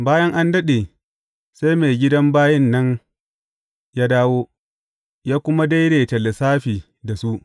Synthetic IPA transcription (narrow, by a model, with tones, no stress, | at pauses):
baː˦jɐ˦ŋʔa˦ndɐ˦ɗe˨ | sa˦jme˨ɡʲɪ˦dɐ˦mbaː˦jɐ˦nːɐ˦n | jaː˦daː˦woː˦ | jaː˦kʷʊ˦ma˦da˦jɽeː˨tɐ˨le˨saː˦ɸiː˨ | da˨su˦ʔ